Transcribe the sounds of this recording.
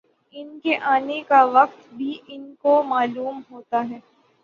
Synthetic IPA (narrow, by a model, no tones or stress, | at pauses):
ɪnkeʔaːnekaʋɐqt̪bʱiʔɪnkomaːluːmɦoːt̪aɦɛː